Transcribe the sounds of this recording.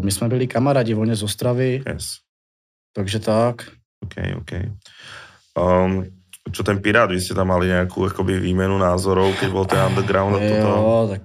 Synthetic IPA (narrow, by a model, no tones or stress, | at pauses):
mismɛbilikamaɾaːɟivɔɲɛzɔst̪ɾavijɛ̰s | t̪aɡʒɛt̪ak | oːkʰɛ̰jɔ̰ːkɛj | t͡ʃɔt̪ɛnpiɾaːd̪ʋiscɛt̪amːaliɲɛakʰṵakɔbiʋiːmɛnunaːzɔɾɔʊkɛɟbɔlt̪ɛnand̪ɛɾɡɾaʊnd̪at̪ɔɔt̪ak̚